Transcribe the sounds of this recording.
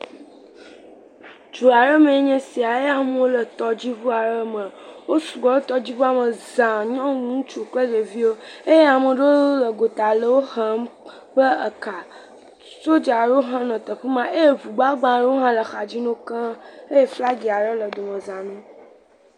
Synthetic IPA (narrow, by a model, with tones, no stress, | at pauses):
d͡ʒu˨a˨ɾə˦me˨e˦ɲɛ̃˦si˨a˨je˦a˨m˦wo˦lə˨t̪ɔ˦d͡ʑi˦vu˦a˨ɾə˦mə˨wo˦su˨ɡ͡bɔ˨lo˦t̪ɔ˦d͡ʑi˦vu˦a˨mə˨zã˨ɲɔ̃˦nũ˦t͡ʃu˨k͡plə˦d͡ʒe˨vi˦wo˦e˦je˦a˨mə˨ɖo˦lə˨ɡo˨t̪a˨lə˦wo˦xə˦m | ɸə˦ə˨ka˨ | so˦d͡ʒa˨ɖo˦o˦ɦã˦nɔ̃˨t̪ə˨ɸə˦mã˦ʔe˦je˦vu˨ɡ͡ba˦ɡ͡bã˨ɖo˦wo˦ɦã˦lə˨xa˨d͡ʑi˦nõ˦kã˦e˦je˦fla˦ɡi˨a˨ɾə˦lə˨d̪o˨mə̃˨zã˨nũ˦